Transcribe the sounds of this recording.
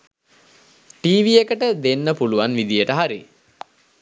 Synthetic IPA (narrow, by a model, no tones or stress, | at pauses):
ʈiːʋiekəʈəd̪enːəpuluʋanʋid̪ijəʈəɦaɾḭ